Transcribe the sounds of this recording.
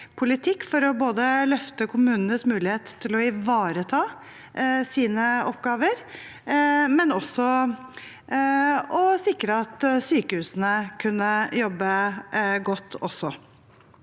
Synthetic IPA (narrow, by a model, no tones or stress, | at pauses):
pʰʊlɪt̪ʰɪkːfɔɾɔboːd̪əlœft̪əkʰʊmʉːnənəsmʉːlɪheːt̪ʰːɪlɔɪʋɑːɾət̪ʰɑː | siːnəɔpːɡɑːʋəɾ | mɛnɔsːɔ | ɔsɪkɾəɑt̪syːkəhʉːsən̩əkʰʉnːəjɔbːəɡɔt̪ːɔsːɔ